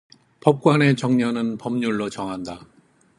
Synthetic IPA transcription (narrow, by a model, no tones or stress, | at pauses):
pʌp̚k͈wane̞t͡ɕʌŋɲʌnɯnpʌmɲuɭːot͡ɕʌŋɦanda